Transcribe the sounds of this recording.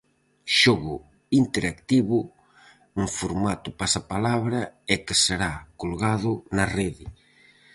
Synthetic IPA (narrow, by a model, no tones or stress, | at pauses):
ʃoɣʊ | int̪eɾakt̪iβʊ | uŋfoɾmat̪ʊpasapalaβɾɐɛkɪseɾakolɣaðʊnɐreðɪ